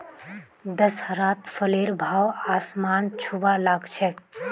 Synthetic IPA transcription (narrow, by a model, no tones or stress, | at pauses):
d̪əshəɾaːt̪fʰəleːɾbʱaːwaːsmaːnt͡ʃʰubalaːɡt͡ʃʰɛ